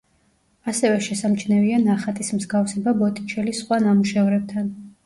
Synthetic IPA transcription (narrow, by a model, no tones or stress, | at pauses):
asɛvɛʃɛsamt͡ʃʰnɛvianaχat̪ʼismzɡafsɛbabɔt̪ʼi̥t͡ʃʰɛlisχwanamuʃɛɔɾɛb̚t̪ʰan